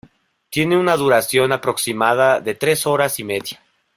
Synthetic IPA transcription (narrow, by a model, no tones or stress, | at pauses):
t̪je̞ne̞unaðuɾasjo̞napɾo̞ksimaðaðe̞t̪ɾe̞so̞ɾasime̞ðja